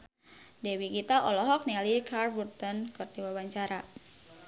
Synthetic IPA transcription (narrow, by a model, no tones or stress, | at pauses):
dɛwiɡit̪aʔɔlɔɦɔk̚nialikarburt̪ɔnkɨrdiwawaɲt͡ʃaɾa